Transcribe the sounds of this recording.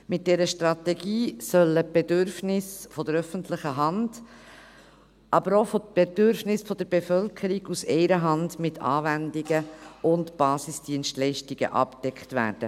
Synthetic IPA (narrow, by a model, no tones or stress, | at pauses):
mɪt̚d̥ɛɾəʃtɾɑtɛɡiːsœləb̥edʏɾfnɪsfɔd̥̪əɾœfəntʰlɪχəɦɑnd̥ | ʔɑbəɾofob̥ed̥ʏɾfnɪsfɔd̥̪əɾbefœlkʰəɾiɡusɛɪɾəɦɑndmɪtʰɑ̰ːvændiɡəʊntb̥ɑːsɪsd̥iənstlɛɪʃtiɡ̥ə̰ʔɑ̰pd̥ɛkχtʋæ̰ːɾd̥ə̰